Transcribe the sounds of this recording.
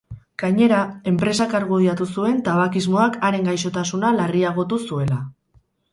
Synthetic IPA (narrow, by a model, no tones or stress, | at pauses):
ɡ̥aɲe̞ɾae̞mpɾe̞sakaɾɣoðiat̪usue̞nt̪aβakizmo̞akaɾe̞ŋɡajʃo̞t̪asunalariaɣ̞o̞t̪usue̞la